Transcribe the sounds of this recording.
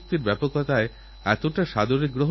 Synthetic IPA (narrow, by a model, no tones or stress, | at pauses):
k̚t̪iɾbɛpokːat̪ae | ɛt̪oʈaʃad̪oɾik̚ɡɾoɦ